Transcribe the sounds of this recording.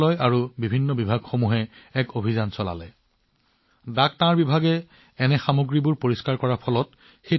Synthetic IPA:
lɔjaɹubibʱinːɔbibʱaɡxomuɦɛɛkobʱizansɔla̰lɛ | dak̚tãɹbibʱaɡɛ | ɛnɛxamoɡɹibʊɹpoɹiskaɹkɔɹapʰɔlɔt̚ | xe

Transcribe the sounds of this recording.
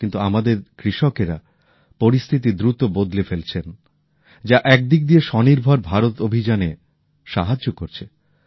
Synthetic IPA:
kint̪uamad̪eɾkɾiʃokeɾa | poɾist̪ʰit̪̬id̪ɾut̪obod̪lefelt͡ɕʰen | d͡ʑaʔɛk̚d̪ik̚d̪ieʃɔniɾbʱoɾbʱaɾot̪obʱid͡ʑane | ʃaɦad͡ʑokoɾt͡ɕʰe

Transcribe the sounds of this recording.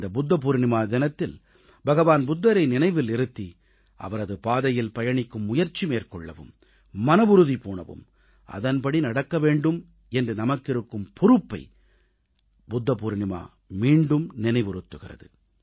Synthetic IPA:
d̪ɐbʊd̪ːɐp̬uːɾɪnɪmaːd̪ɪnɐt̪ːɪl | bɐɣɐʋaːnbʊd̪ːɐɾɐɪnɪnɐɪʋɪlɪɾɯt̪ːi | ʔɐ̰ʋɐɾɐðɯpaːðɐjɪlpɐjɐɳɪkːɯmːʊjɐɾt͡ʃːimeːrkɔɭːɐ̰ʋɯ̰mː | ɐnɐʋʊɾɯðipoːɳɐ̰ʋɯ̰m | ʔɐ̰ðɐnpɐɽinɐɽɐkːɐʋeːɳɖɯm | ɛndrɯnɐmɐkːɪɾɯkːɯmpʰʊɾɯpːɐɪ | bʊd̪ːɐpuːɾɪnɪma̰ː | miːɳɖɯmnɪnɐɪʋɪɾɯt̪ːɯɣɪrɐ̰ðɯ̰

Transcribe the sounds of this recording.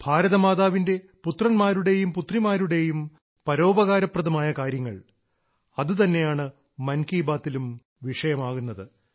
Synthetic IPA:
bʱaːɾɐðɐmaːðaːʋinde̞ | put̪rɐnmaːɾuɽe̞jumput̪rimaːɾuɽe̞jum | pɐɾo̞ːbɐɣaːɾɐprɐðɐmaːjɐkaːɾjɐŋːɐ̰ɭ | ɐðɨt̪ɐnːe̞jaːɳɨ | mɐnkiːbaːt̪ːilum | ʋiʂɐjɐmaːɣunːɐðɨ

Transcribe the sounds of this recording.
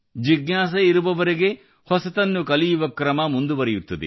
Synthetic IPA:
d͡ʒiɡnaːs̬ɐiɾuʋɐʋɐɾeɡe̞ | hɔsɐt̪ɐnːukɐlijuʋɐkɾɐmɐmund̪uʋɐɾejut̪ːɐd̪ḛ

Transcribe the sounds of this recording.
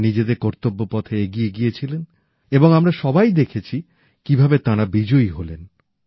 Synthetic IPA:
nid͡ʑed̪eɾkɔɾt̪obːopɔt̪ʰeeɡijeɡijet͡ɕʰilen | eboŋamɾaʃɔbajd̪ekʰet͡ɕʰi | kibʱabet̪aɾabid͡ʑojɦolen

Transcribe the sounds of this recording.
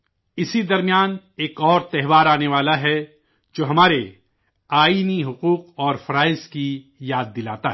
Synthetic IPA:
ɪsid̪ɐɾmijaːn | eːkɔːɾt̪ɛɦʋaːɾaːneʋaːlaɦɛ | d͡ʒoːɦɐmaːɾe | aːiːniɦʊquːqɔːɾfɐɾaːɪski | jaːd̪̚ːɪlaːt̪aɦ

